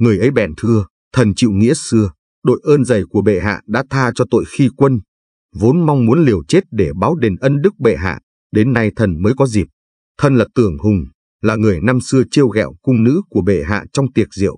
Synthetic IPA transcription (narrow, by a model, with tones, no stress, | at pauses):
ŋɨ˨˩əjʔə˨˦jɓɛ˨˩nt̪ʰɨ˧ə | t̪ʰə˨˩nt͡ɕḭ˧˨wŋḭ˧˥əsɨ˧ə | ɗo̰˧˨jʔəː˧nzə˨˩jku˧˩əɓḛ˧˨ɦa̰ː˧˨ɗa̰ː˧˥t̪ʰaː˧t͡ɕɔ˧t̪o̰˧˨jxi˧kwə˧n | vo˨˦nmɔ˧wŋ͡mmu˨˦ənli˨˩əwt͡ɕe˦˥t̚ɗe˧˩ɓaː˨˦wɗe˨˩nʔə˧nɗɨ˦˥k̚ɓḛ˧˨ɦa̰ː˧˨ | ɗe˨˦nːa˧jt̪ʰə˨˩nməː˨˦jkɔ˨˦zi˨˩p̚ | t̪ʰə˧nlaː˨˩t̪ɨ˨˩əŋhʊ˨˩ŋ͡m | laː˨˩ŋɨ˨˩əjna˧msɨ˧ət͡ɕi˧əwɣɛ̰˧˨wkʊ˧ŋ͡mnɨ̰˧˥ku˧˩əɓḛ˧˩ɦa̰ː˧˨t͡ɕɔ˧wŋ͡mt̪i˨˩ət̚zḭ˧˨əw